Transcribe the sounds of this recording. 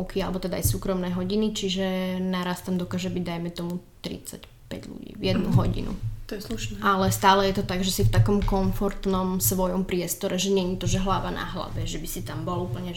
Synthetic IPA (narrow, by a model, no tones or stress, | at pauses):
ʊkialɛbɔt̪ɛd̪a̰ːjsuːkɾɔmnɛjɦɔɟinit͡ʃiʒɛnaɾast̪amd̪ɔkaːʒɛbiɟd̪ajmɛt̪ɔmut̪ɾḭt͡sa̰c | pɛ̰ɟʎṵɟḭːvjɛd̪nuɦɔɟḭnṵt̪ɔjɛsluʃnɛʔalɛst̪aːlɛjɛt̪ɔt̪aɡʒɛsift̪akɔmkɔnfɔɾt̪nɔmsʋɔjɔmpɾɪɛst̪ɔɾɛʒɛɲɛɲit̪ɔʒɛɦlaʋana̰ɦla̰ʋɛʒɛbisit̪ambɔlupl̩ɲɛ